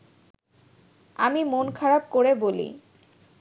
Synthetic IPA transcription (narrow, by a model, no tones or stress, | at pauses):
a̰mimonkʰaɾab̚koɾebolḭ